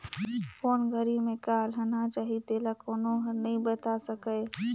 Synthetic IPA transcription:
pʰoːnɡəɾimẽkaːlɦənat͡ʃaːɦit̪eːlakoːnõɦənəĩbət̪asəkəj

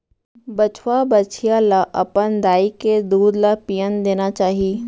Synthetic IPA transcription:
bɐt͡ʃʰwabɐt͡ʃʰijalaʔɐpənd̪aːiked̪uːd̪lapijənd̪eːnat͡ʃaːɦiiː

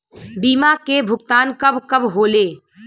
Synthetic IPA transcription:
biːmakebʱʊɡ̚t̪aːnkɐbkɐbɦoːleː

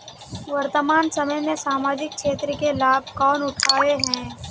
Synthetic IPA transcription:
ʋɐɾt̪əmaːnsɐməjmẽsaːmaːd͡ʒɪk̚kʃeːt̪ɾəkelaːb̚ʱkɔːnʊʈʰaːeɦɛ̃ː

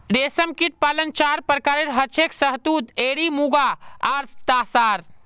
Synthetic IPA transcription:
ɖeːsəmkiʈ̚paːlənt͡ʃaːɾpəɾkaːɾeɾɦət͡ʃʰeksəɦt̪ud̪eːɽimuɡaaɾt̪aːsaːɾ

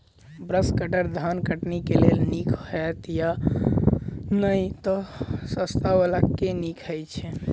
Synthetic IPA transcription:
bɾəskəʈəɾd̪ʱankəʈnikelelnikʰɦɛt̪ja | nəjt̪ɔsəst̪aʋəlakːenikʰɛjt͡ʃʰɛ

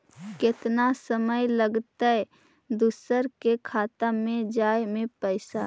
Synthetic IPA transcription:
kɪt̪nasəməjləɡt̪əɛ | d̪usəɾkekʰaːt̪amẽd͡ʒaːjmẽpəɪsa

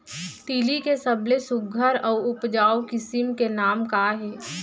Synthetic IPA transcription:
t̪iːlikesəblesʊɡʱəɾɔːʊpd͡ʒaːokɪsɪmkenaːmkaːɦɛː

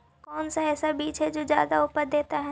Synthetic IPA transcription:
kɔːnsaɛːsabiːt͡ʃʰed͡ʒoːzja̰ːd̪aʊpəɾd̪eːt̪aɦɛ

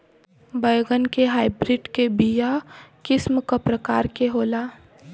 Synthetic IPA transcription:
bəjɡənkeɦaːɪbɾɪɖkebijakɪsmkəpɾəkaːɾkeɦoːlaː

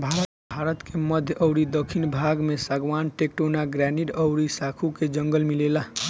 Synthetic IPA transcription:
bʱaɾə | bʱaɾət̪keməd̪ʱjʔəwɾid̪əkʰinbʱaɡmesaɡʋanʈek̚ʈonaɡɾɛniʈəwɾisakʰuked͡ʒəŋɡəlmilela

